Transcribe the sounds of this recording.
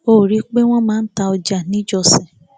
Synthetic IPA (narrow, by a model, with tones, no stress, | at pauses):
o˦˨ɾi˨˦k͡pe˦w̃ɔ̃˦mãː˦n̩˦ta˧ɔ˧d͡ʒa˨nĩ˨˦d͡ʒɔ˧sɛ˨